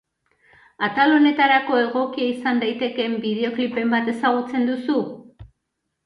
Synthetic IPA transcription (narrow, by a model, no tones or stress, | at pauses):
at̪alo̞ne̞t̪aɾako̞e̞ɣ̞o̞kiaisand̪ajt̪e̞ke̞mbiðe̞o̞klipe̞mbat̪e̞saɣ̞ut͡se̞nd̪usu